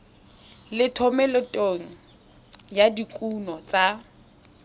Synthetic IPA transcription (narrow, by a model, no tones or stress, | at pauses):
lɪtʰɔmɛlɔtʼoŋ̩ | jadikʼunɔt͡sʼa